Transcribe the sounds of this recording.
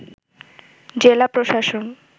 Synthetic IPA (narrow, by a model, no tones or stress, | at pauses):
d͡ʑelapɾoʃaʃon